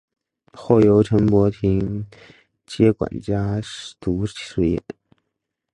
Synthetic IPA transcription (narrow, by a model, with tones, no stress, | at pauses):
xo˥˩jo˧˥ʊʈ͡ʂʰə˧˥ŋpwɔ˧˥t̪ʰi˧˥ŋ | t͡ɕjɛ˥kwa̰˨˩nt͡ɕja˥ʂt̪u˧˥ʂt͡ɕʰi̥˥˩swe˧˩jɛ̰˧˩